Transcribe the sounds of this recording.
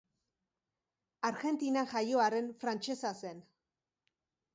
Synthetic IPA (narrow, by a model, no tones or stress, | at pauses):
aɾɣe̞nt̪inaʝajo̞aɾe̞nfɾant͡ʃe̞sase̞n